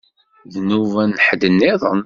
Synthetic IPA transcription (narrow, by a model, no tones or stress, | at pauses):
ðnuvænħd̪ənːɪðˤən